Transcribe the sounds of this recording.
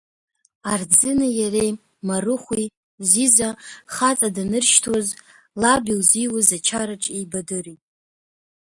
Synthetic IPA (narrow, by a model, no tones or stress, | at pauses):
ard͡zɨnɨjarej | marɨχʷi | zizaχat͡sʼadanɨrʃtʰoz | labilziwʊzat͡ʃʰaɾaʈ͡ʂʼejbadɨritʼ